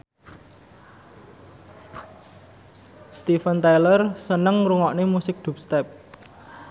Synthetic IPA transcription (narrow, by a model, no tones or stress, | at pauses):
st̪ifənt̪ajlərsənəŋruŋɔʔnemusɪk̚d̪̥ṳp̚st̪ɛp̚